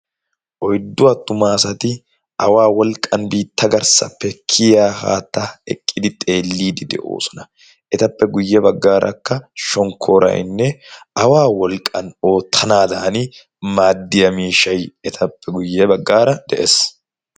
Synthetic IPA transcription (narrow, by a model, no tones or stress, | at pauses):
ʔɔjd̪ːʊwɐt̪ːʊmaːsɐt̪ɪ | ʔɐwaːwɔlkʼːɐnbiːt̪ʰːɐɡɐɾsɐ̰pːɛkʰːɪjaːha̰ːt̪ːɐɛ̰kʼːɪd̪ɪt̪ʼe̞ːlːiːd̪ɪd̪ɛ̰ʔo̞̰ːsɔ̥nɐ | ʔɛt̪ɐpːɛɡʊjːɛbɐɡːaːɾʔɐ̰kːɐʃɔŋkʰːo̞ːɾɐ̰j̰nːɛɐwaːwɔlkʼːɐno̞ːt̪ʰːɐnaːd̪ɐnɪ | maːd̪ːɪjɐmiːʃɐjɛt̪ʰɐpːɛɡʊjːɛbɐɡːaːɾɐd̪̥ɛʔes